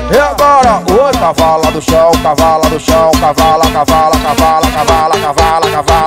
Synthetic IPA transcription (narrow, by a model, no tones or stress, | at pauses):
eabɔɾɐuɐ̃kavalɐd̪ʊʃɐ̃w̃kavalɐd̪ʊʃɐ̃w̃kavalɐkavalɐkavalɐkavalakavalakava